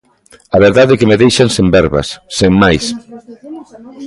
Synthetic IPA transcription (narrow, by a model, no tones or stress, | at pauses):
aβeɾðaðekemeðejʃaŋsembɛɾβɐ̰sːeŋmajs